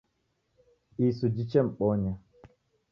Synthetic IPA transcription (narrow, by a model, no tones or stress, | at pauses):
isud͡ʒit͡ʃɛm̩k͡pɔɲa